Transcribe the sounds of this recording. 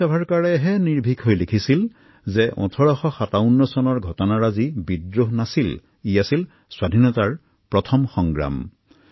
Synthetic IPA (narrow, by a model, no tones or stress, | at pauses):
abʱaɹkaɹɛɦɛniɹbʱikɦojlekʰisil | zɛʔɔ̰̃tʰɔɹɔxɔxataʊnːɔsɔnɔɹɡʱɔtɔnaɹazibidɹoɦnasil | ijasil | swadʱinɔtaɹ | pɹɔtʰɔmxɔŋɡɹa̰m